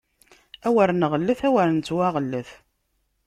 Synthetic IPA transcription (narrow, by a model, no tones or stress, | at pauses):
æwəɾnəʁəlːəθæwəɾənt͡s̪ːwaʁəlːəθ